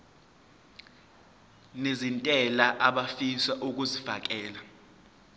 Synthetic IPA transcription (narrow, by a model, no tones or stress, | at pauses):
nezintʼɛlaʔaɓafisaʔuk̬ʼuzifak̬ʼɛːla